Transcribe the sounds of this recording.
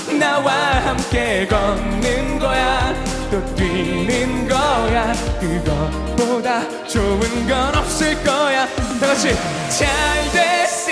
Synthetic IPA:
nawahamkeɡʌnːɯnɡʌja | t̪ot̪winɯnɡʌjakɯɡʌ | pod̪a | t͡ɕowɯnɡʌnʌp̚sɯɭkʌjat̪ʌɕi | t͡ɕʰajd̪es

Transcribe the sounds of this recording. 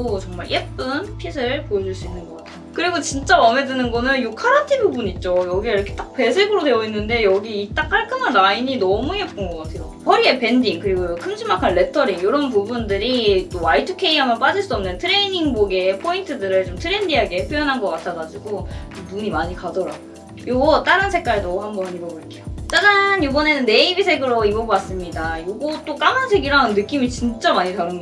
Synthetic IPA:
ot͡ɕʌŋmaɭʔep͈ɯnpʰisʰɯɭpoed͡ʑuɭs͈uinːɯnɡʌtʰokɯɾiɡot͡ɕint͡ɕ͈aʌme̞dɯnɯnɡʌnɯnjokʰaɾatʰibubuniːt̚t͡ɕ͈ojʌɡieiɾʌkʰe̞t͈ak̚pe̞sʰe̞ɡɯɾodwe̞jʌinːɯnde̞jʌɡiːt͈ak̚haɭk͈ʰɯmanɾaiɲinʌmujep͈̚ɯnɡʌk͈atʰe̞jo | hʌɾie̞pe̞ndiŋkɯɾiɡojokʰɯmd͡ʑimakʰanle̞tʰʌɾiŋjoɾʌnp̬ubundɯɾit͈owaitʰɯkʰe̞iɦambʌnp͈ad͡ʑɯɭs͈uʌmnɯntʰɯɾe̞iniŋboɡe̞pʰointʰɯdɯɾɯɭt͡ɕomtʰɯɾe̞ndiɦaɡepʰjojʌnɦanɡʌk͈atʰʌɡad͡ʑiɡonuɲimaɲikadʌɾa̰ɡo | joɡʌt͈aɾɯnsʰe̞k͈aɭdohambʌnibʌboɭk͈ʰeot͡ɕ͈ad͡ʑanjobʌne̞nɯnːe̞ibisʰe̞ɡɯɾoibʌbas͈ɯmɲidajoɡot͈ok͈amansʰe̞ɡiɾannɯk͈imit͡ɕint͡ɕ͈amaɲitaɾɯnɡ

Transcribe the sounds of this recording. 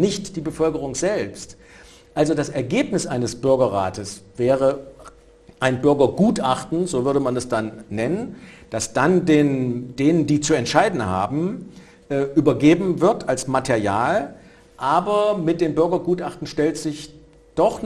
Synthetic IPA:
nɪçtd̥iːbəfœlkəʁ̞ʊŋz̥ɛlpst | ʔalzodasɛɐɡeːpnɪsʔaɪnəsb̥ʏɐɡɐʁa̰ːtəsvɛːʁə | ʔaɪnbʏɐɡɐɡuːtʔaχtn̩zoːvʏɐdəmanɛsd̥anːɛnənd̥asd̥andeːnd̥eːnəndiːt͡suɛntʃaɪdn̩ha̰ːbm̩ | ʔʔyːbɐɡeːbm̩vɪɐtalsmatʰɛɐjaːl | ʔaːbɐmɪt̚d̥eːmbʏɐɡɐɡuːtʔaχtn̩ʃtɛltz̥ɪç | d̥ɔχ

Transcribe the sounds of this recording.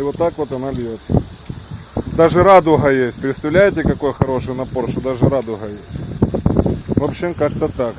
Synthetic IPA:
vot̪ːakʋo̞t̪ɐnabʲjot̪ə | d̪aʐɨɾad̪ʊɦɐjesʲt̚ʲpɾʲɪt̪st̪ɐvlʲæjɪtʲɪkɐko̞jxɐɾo̞ʂɨjnɐpo̞rʂt̪od̪aʐɨɾad̪ʊɣɐjesʲtʲ | vopɕɪmkakt̪ət̪ak

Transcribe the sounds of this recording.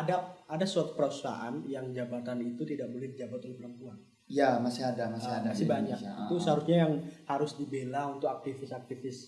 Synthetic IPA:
adaadasuat̪u̥pəɾau̥sa̰ʔanjaŋd͡ʒabat̪anit̪ut̪idak̚bolɛhd͡ʒabat̪ulɪhpəɾəmpuan | jamasɪɦadamasiadamasɪbaɲakḭusəɦaɾʊsɲajaŋhaɾʊsdibelaunt̪ʊkak̚t̪ifɪsak̚t̪ifɪs

